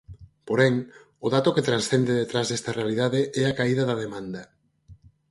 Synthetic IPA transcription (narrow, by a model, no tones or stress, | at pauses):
poɾɛŋ | ʊðat̪ʊket̪ɾansθend̪eðet̪ɾazðɛst̪ɐrealiðaðeʔɛakaiðɐðɐðemãnd̪ɐ